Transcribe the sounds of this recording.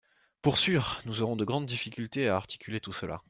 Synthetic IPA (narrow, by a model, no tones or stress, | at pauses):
puʁsɥyːʁnuzɔʁɔ̃d̪əɡʁɑ̃d̪d̪ifikʲylt̪eaːʁt̪i̥kʲylet̪usəla̰